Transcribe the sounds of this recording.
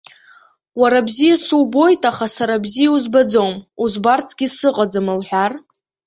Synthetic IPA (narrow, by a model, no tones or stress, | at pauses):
waɾabzijasuwbo̞jtʼaχasaɾabzijauzbad͡zowmuzbart͡sʰɡʲisɨqʼad͡zamɨlħʷᶣar